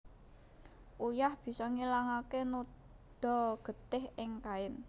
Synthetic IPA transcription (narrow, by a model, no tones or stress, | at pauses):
ʔujahb̥i̤sɔŋilaŋakeno | ɖ̪̥ɔ̤ɡ̥ə̤t̪ɪhɪŋkaɪn